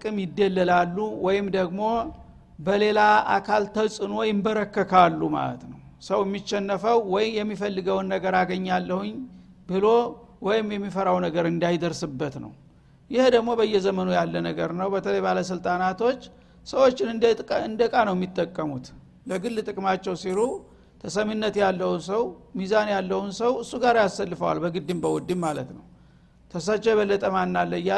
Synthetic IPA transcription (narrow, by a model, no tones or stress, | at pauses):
t̪ɨkʼɨmjɪd̪ːəlːəlalːuwɔjɪmd̪əɡmo̞ | bəle̞laʔa̰kʰalt̪ʰəsʼɨno̞jɪmbəɾəkːəkʰalːuma̰lə̰t̪nəwsəwjɛmːiʃːɛnːəfəwːɔjɪjɛmːifəlːɨɡəwnːəɡəɾaɡəɲːalːəhuɲ | bɨlo̞ | wɔjɪmjɛmːifəɾawnəɡəɾɨnd̪ajd̪əɾsɨbːət̪nə̰w | jɪhd̪əɡmo̞bəjːɛzəmənujalːənəɡəɾnəwbət̪ʰələjbaləs̬ɨlt̪ʼanat̪o̞t͡ʃː | səwo̞t͡ʃːɪnɨɨnd̪əkʼanəwjɛmːit̪ʼːəkʼːəmut̪ | ləɡɨlːt̪ʼɨkʼmat͡ʃːɛwsiɾu | t̪ʰəsəmɨnːət̪jalːəwunsəwmizanjalːəhunsəwɨsːuɡaɾjasːəlːɨfəwa̰lbəɡɨd̪ːɨmbəwɔd̪ːimmalət̪nəw | t̪ʰəsat͡ʃːɛjɛβəlːət̪ʼəmanːalːəja